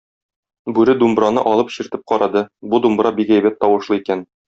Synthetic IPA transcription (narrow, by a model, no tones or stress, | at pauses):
bʉɾɘd̪umbɾɑnɤ̰ʔɒlˠɤpɕĭɾt̪ɘp̚qɒɾɑd̪ɤbud̪umbɾɑbikæjbæt̪ːɒwɤ̆ʃlˠɤikæn